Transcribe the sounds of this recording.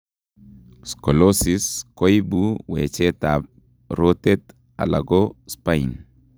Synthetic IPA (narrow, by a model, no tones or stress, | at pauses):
skolosiskojbuwḛt͡ʃɛtap̚ | ɾotet | a̰laɡospain